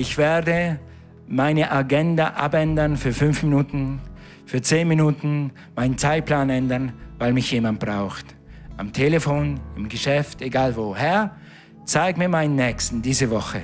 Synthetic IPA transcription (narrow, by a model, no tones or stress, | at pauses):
ɪçv̥eːɐdə | maɪnəʔaɡɛndaʔa̰pɛndɐnfyːɐfʏnfminuːtn̩ | fyːɐt͡seːnminuːtn̩ | maɪnənt͡saɪt̚pʰlaːnɛndɐnvaɪlmɪçjeːmant̚b̥ʁaʊxt | ʔamtʰeːlefoːnɪmɡəʃɛfteɡaːlvoːhɛɐ | t͡saɪɡmiːɐmaɪnənːɛːkstn̩diːzəvɔχə